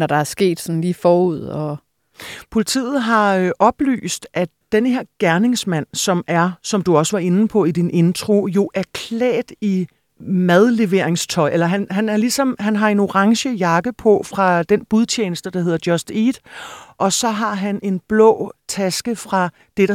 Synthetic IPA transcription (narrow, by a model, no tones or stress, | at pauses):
nɒd̥ɑ̈æɐsɡ̥e̝̰ːd̥sɒn̩liːfɒːuð̞̰ˠɒ̽ | pʰo̝lit͡sʰḭːð̞̩ˠɦɑ̈øʔɒ̽b̥ly̰ːsd̥ʔæ | d̥enhe̝ɐ̰ɡ̥æɐne̝ŋsmæn̰sɒ̽mʔæɐsɒ̽md̥uɒ̽səʋɑ̈e̝n̩pʰɒ̽id̥ine̝nt͡sʰʁo̝jo̝ʔæɐkʰlɛ̰ːd̥i | mæð̞ˠle̝ʋe̝ɐe̝ŋst͡sʰɒ̽ɪ̰ʔelɐɦænɦænæɐlisɒ̽mɦænɦɑ̈e̝no̝ʁɑ̈ŋɕəjɑ̈ɡ̥əpʰɒ̽fʁɑ̈d̥enb̥uðˠt͡ɕʰeːnəsd̥əd̥ɑ̈ɦe̝ðˠɐd̥jɒsd̥iːd̥ʔɒ̽sɒ̽ɦɑ̈ɦænʔe̝nb̥lɔ̰̽ːt͡sʰæsɡ̥əfʁɑ̈ | d̥e̝ɾ̥ɑ